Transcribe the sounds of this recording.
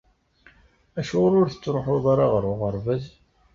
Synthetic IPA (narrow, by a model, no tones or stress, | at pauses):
æʃɾʊɾθə̥t͡sːɾoħoðˤɑɾˤɑʁəɾˤʊʁəɾˤvæz